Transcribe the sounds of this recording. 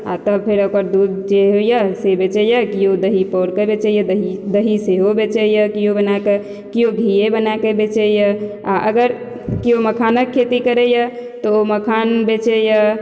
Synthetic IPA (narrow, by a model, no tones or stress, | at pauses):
a̰t̪əb̚pʰeɾokəɾd̪ud̪d͡ʒeɦojəsebet͡ʃɛjəkiod̪əɦipɔɾkəbet͡ʃɛjəd̪əɦid̪əɦiseɦobet͡ʃɛjəkiobənake | kioɡʱijebənakebet͡ʃɛjəaʔəɡəɾ | kioməkʰanəkʰːet̪ikəɾɛjət̪ɔoməkʰanbet͡ʃɛjə